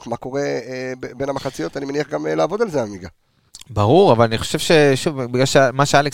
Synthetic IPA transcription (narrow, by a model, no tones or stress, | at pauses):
mako̞ʁebenamaχat͡sijo̞t̪animeniaχɡamlaːvo̞d̪alzeammiɡa | baʁuʁavalaniχo̞̥ʃev̥ʃe̞ʃuvbiɡlalʃemaʃealek